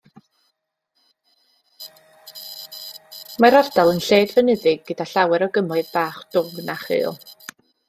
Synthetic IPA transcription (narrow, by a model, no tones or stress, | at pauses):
maɾard̥alˠənɬeːdvɛnɨðɪɡːədaɬawɛɾɔɡəmɔɨðb̥aːχd̥ʊŋnaχɨ̰ːlˠ